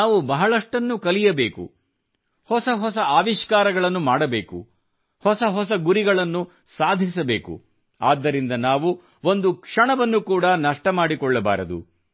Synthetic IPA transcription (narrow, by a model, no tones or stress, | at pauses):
naːʋubɐɦɐɭɐʂʈɐnːukɐlijɐbeːkṵ | hɔsɐɦɔs̬ɐaːʋiʃkaːɾɐɡɐɭɐnːumaːɽɐbeːkṵ | hɔsɐɦɔsɐɡuɾiɡɐɭɐnːu | saːd̪ʱisɐbe̞ːkṵ | aːd̪ːɐɾind̪ɐnaːʋu | o̞nd̪ukʂɐɳɐʋɐnːukuːɽɐnɐʂʈɐmaːɽikɔɭːɐba̰ːɾɐd̪ṵ